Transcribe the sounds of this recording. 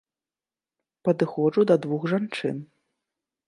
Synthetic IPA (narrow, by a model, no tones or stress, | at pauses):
pɐd̪ɨxɔʐud̪ɐd̪vuxʐant͡ʂɨ̰n